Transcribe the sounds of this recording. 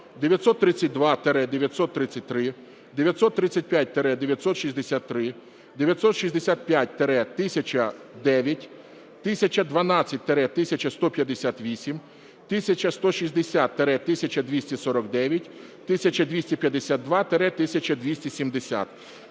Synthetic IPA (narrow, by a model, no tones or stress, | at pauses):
d̪eʋʲjɐt̪sɔt̪ːɾɪt͡sʲːɐt̚ʲd̪ʋɑt̪eɾɛd̪eʋʲjɐt̪sɔt̪ːɾɪt͡sʲːɐt̚ʲt̪ːɾɪ | d̪eʋʲjɐt̪sɔt̪ːɾɪt͡sʲːɐt̚ʲpʲjat̚ʲt̪eɾɛd̪eʋʲjɐt̪sɔt̪ʃizʲd̪esʲat̪ːɾɪ | d̪eʋʲjɐt̪sɔt̪ʃizʲd̪esʲat̪̚pʲjat̚ʲt̪eɾɛt̪ɪsʲɐt͡ʃɐd̪ɛʋʲjɐtʲ | t̪ɪsʲɐt͡ʃʲɐd̪ʋɐnɑt͡sʲːɐt̚ʲt̪eɾɛt̪ɪsʲɐt͡ʃɐst̪ɔpʲjɐd̪esʲat̪ʋʲisʲim | t̪ɪsʲɐt͡ʃɐst̪ɔʃizʲd̪esʲat̪ːeɾɛt̪ɪsʲɐt͡ʃɐd̪ʲʋʲisʲtʲɛsɔɾɔɡd̪ɛʋʲjɐtʲ | t̪ɪsʲɐt͡ʃɐd̪ʲʋʲisʲtʲɛpʲjɐd̪esʲat̪ːʋɑt̪eɾɛt̪ɪsʲɐt͡ʃʲɐd̪ʲʋʲisʲtʲisʲimd̪esʲa̰t̪